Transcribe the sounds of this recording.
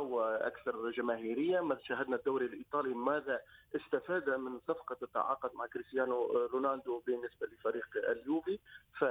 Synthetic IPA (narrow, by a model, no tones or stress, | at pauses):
ʊwaʔa̰kθɑɾˤʒamaːɦiːɾɪjːamaʃaːɦad̪nad̪ːawɾilʔiːt̪ˤɑːlimaːðaʔɪst̪afaːd̪amɪnsˤɑfqɑt̪ːa̰ʕɑ̰ːqʊd̪maʕkɾɪst̪jaːnʊɾunaːnd̪ʊbɪnːɪsbalɪfaɾiːqɪ̰ljuːbifa